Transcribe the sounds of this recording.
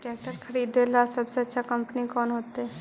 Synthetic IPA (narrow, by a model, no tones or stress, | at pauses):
ʈek̚ʈəɾkʰəɾid̪elasəbseətːʃʰakəmpənikɔnɦot̪e